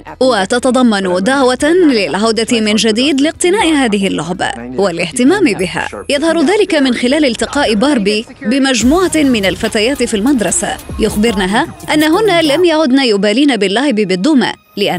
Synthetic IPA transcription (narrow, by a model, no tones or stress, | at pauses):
wat̪ɑt̪ɑd̪ˤɑmːɑnd̪aʕwat̪lɪlʕawd̪at̪ɪmɪnd͡ʒad̪iːd̪lɪq̚t̪ɪnaːʔɪhaːðɪɦɪlːʊʕba̰walɪht̪ɪmaːmɪbɪɦa̰ːjɑðˤhɑɾˤðaːlɪkamɪnxɪlaːlɪlt̪ɪqɑːʔɪbɑːɾˤbiːbɪmad͡ʒmuːʕamɪnalfat̪aːjaːt̪ɪfiːlmad̪ɾˤɑsa̰jʊxbɪɾnaɦaːʔanːaɦʊnːalamjaʕʊd̪naːjʊbaːliːnabɪlːahɪbɪbɪd̪ˤːʊːma̰ | lɪʔa